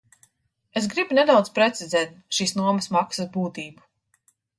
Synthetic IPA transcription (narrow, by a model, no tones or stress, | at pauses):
esɡɾibunɛd̪awd̪spɾɛt̪sizɛːt̪̚ʃiːsnuɔmɐsmaksɐsbuːt̪iːbu̥